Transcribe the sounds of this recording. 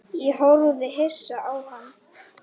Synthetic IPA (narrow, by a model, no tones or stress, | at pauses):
iɦowɾuðɪɦesaʔawhanː